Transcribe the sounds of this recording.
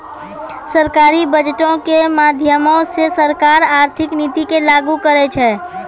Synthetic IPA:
səɾkaːɾibəd͡ʒʈõkemaːd̪ʱjəmõsesəɾkaːɾaːɾt̪ʰɪkniːt̪ikelaːɡukəɾet͡ʃʰɛː

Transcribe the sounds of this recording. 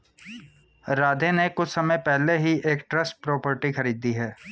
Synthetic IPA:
ɾaːd̪ʱẽnekʊt͡ʃʰsɐməjpɛɦleɦiʔeːkʈɾɐsʈ̚pɾoːpəɾʈixɐɾiːd̪iɦɛː

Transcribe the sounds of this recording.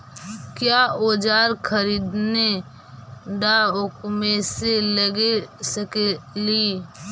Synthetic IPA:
kjaoːd͡ʒaːɾkʰəɾiːd̪ne | ɖaʊkmẽseləɡesəkeliː

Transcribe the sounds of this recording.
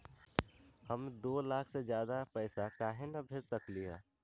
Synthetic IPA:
həmd̪oːlaːkʰsed͡ʒjaːd̪apɛɪsakaːɦenabʱed͡ʒsəkliɦɛ̰̃ː

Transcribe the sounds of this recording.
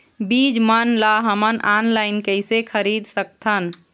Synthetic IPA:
bid͡ʒmənlaɦəmənanlaɪnkəɪsekʰəɾid̪ʱsək̚t̪ʰən

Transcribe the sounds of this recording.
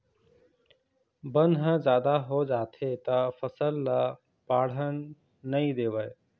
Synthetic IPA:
bənʱɦəd͡ʒjaːd̪aɦod͡ʒaːt̪ʰet̪ɐfəsəlːa | paːɽ̤ənː | əĩd̪eːʋəe

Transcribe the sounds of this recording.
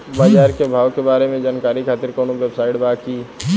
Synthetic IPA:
bəd͡ʒaːɾkebʱaːʋkebaːɾemẽd͡ʒaːnkaːɾikʰaːt̪ɪɾkoːnuʋeːbsaːɪʈbaːki

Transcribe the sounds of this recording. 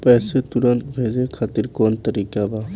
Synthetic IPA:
pɛset̪uɾɔnt̪bʱed͡ʒekʰat̪iɾkɔnt̪əɾikaba

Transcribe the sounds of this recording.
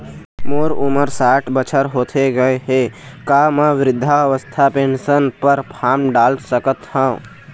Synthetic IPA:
moːɾʊməɾsaːʈbət͡ʃʰəɾɦoːt̪ʰeɡəeɦekaːmãʋɾɪd̪ʱːaʋəst̪ʰapẽːnʃənpəɾpʰaːmɖaːlsəkət̪hãː

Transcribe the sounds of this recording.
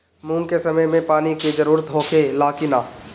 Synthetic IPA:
mũːŋkesɐməjmẽpaːniked͡ʒəɾuːɾət̪ɦõːkʰelaːkɪnaː

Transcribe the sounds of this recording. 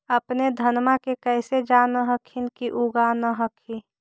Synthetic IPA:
əpned̪ʱənmakekəɪsed͡ʒanəɦəkʰinkiʔuɡanəɦəkʰi

